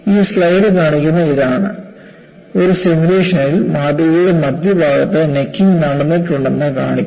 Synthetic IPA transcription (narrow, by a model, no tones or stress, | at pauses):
iːsɭɐjɖɨkaːɳikʲːunːɐiðaːɳɨ̰ | o̞ɾusemuleːʂɐnɐilmaːd̪ɐuɽe̞mɐd̪jɐbʱaːɡɐt̪ːɨnekːiŋɡnɐɽɖɐnːiʈːuɳɖe̞nːɨkaːɳikʲː